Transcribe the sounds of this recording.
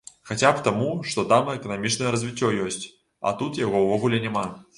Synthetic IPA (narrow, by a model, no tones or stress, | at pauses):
xat͡sʲapt̪amuʂt̪ɔt̪amɐɛkɐnamʲit͡ʂnɐjɛɾɐzʲvʲit͡sʲːɔjɔsʲt͡sʲ | a̰t̪ut̪jaɣɔwvɔɣulʲɛnʲɛma